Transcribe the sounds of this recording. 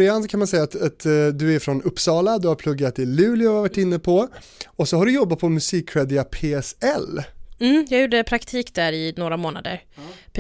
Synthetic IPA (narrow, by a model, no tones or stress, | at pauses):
ɾɪansɔkʰanmansɛjːat̪at̪d̪ɵæɾfɾɔnɵpːsɑːlad̪ɵhaɾpʰlɵɡɾat̪ɪlʉ̟ːlɪavaʈːɪnːəpʰɔ | ɔsɔɦaɖɵjɔbːat̪̚pʰɔmɵsiːkʰːɧɛːd̪ɪapʰeːɛsɛlm̩ːjɑːɡjuːɖəpʰɾakt̪ʰiːkd̪æɾɪnoːɾamoːna̰d̪ə̰ɾpʰ